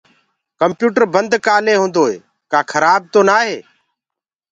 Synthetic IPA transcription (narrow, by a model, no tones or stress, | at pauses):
kəmpjuːʈəɾbənd̪kaːleːɦõːnd̪oːɦḛː | kaːkʰəɾaːb̚t̪oːnaːɦeː